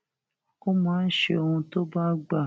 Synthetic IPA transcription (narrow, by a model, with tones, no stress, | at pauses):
ko˦mãː˨˦n̩˦ʃe˦o˧hũ˧to˦ba˦ɡ͡ba˨